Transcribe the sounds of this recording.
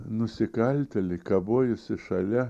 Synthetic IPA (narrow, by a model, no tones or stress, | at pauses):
nʊsʲɪkɐlʲt̪ʲɛlʲɪɪkɐboːjʊsʲɪʃɐlʲɛ